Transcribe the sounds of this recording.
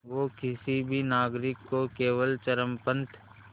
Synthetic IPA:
ʋoːkɪsibʱinaːɡɾɪkːokeːʋəlt͡ʃəɾəmpə̃nt̪ʰ

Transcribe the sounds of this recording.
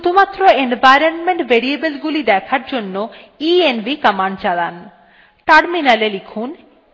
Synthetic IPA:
t̪ʰumat̪ːɾoenbajɾonmeɳʈbeɾiebelɡulid̪ɛkʰaɾd͡ʑonːo | ienbikamaɳɖt͡ɕalan | ʈaɾminalelikʰun

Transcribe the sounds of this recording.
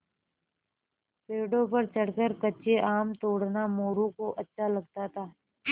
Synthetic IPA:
peːɖõpɐɾt͡ʃɐɽkəɾkət͡ʃʰeʔaːmt̪oːɽnamoːɾũkoʔɐtːʃʰalɐɡ̚t̪at̪ʰaː

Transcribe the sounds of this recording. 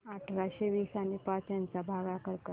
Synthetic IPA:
aʈʰɾaɕeʋiːsanipat͡sjãnt͡sabʱaɡakəɾkə

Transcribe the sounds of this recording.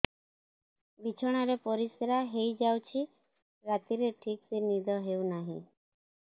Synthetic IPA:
ʋit͡ʃʰɔɽ̃aɾepɔɾisɾaɦejd͡ʒawt͡ʃʰi | ɾat̪iɾeʈʰiksenid̪ʱɔɦeunaɦḭ̃

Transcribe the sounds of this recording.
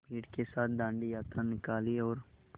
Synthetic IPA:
bʱiːʈkesaːt̪̚ʰd̪ãːɳɖijaːt̪ɾanɪkaːliɔːɾ

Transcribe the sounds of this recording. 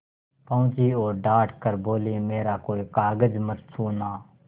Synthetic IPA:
pəʊ̃t͡ʃiːoːɾɖaːʈʰkəɾboːleːmeːɾaːkoːikaːɡəd͡ʒməɾsʰuːnaː

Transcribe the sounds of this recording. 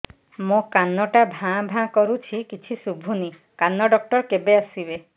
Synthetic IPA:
mõkanːɔʈabʱãbʱãkɔɾut͡ʃʰikit͡ʃʰisubʱuni | kanːɔɖɔk̚ʈɔɾkebeasibe

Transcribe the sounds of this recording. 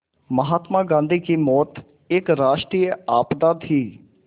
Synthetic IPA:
məɦaːt̪mãːɡãːnd̪iːkimɔːt̪ | ɪkɾaːʃʈɾiːjəaːpd̪aːt̪ɦiː

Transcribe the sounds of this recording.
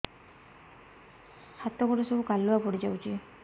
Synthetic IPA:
hat̪ɔɡɔʈɔsɔbukalːuapɔɽid͡ʒawt͡ʃʰi

